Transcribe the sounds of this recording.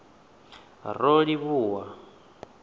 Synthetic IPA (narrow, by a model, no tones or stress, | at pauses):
roɺiβuːwa